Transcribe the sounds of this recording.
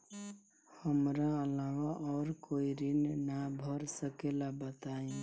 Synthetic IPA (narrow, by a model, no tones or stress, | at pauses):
həmɾaəlawaʔɔːɾkoiɾinnabʱəɾsəkelabət̪aẽ